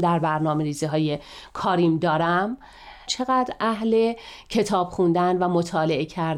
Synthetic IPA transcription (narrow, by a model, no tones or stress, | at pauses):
d̪æɾbæɾnɒːme̞ɾiːziɦɒːje̞kʰɒːɾiːmd̪ɒːɾæm | t͡ʃʰe̞ɣæd̪ɾʔæɦle̞cʰe̞t̪ʰɒːb̥χund̪ænvæmot̪ʰɒːle̞ecʰæɾ